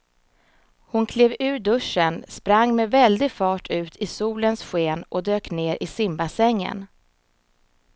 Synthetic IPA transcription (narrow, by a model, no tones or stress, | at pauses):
hʊnkʰleːvʉ̟ːɖɵʂːənspɾaŋːmɛvɛld̪ɪɡfɑːʈʰʉ̟ːt̪ʰɪsuːlənsɧeːnʔɔd̪øːkneːɾʔɪsɪmbasɛŋːə̰n